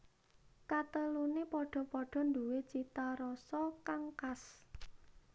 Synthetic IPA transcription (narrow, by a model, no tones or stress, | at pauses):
kat̪əlunepɔɖ̥ɔ̤pɔɖ̥ɔ̤nd̪uwet͡ʃit̪aɾɔsɔkaŋkas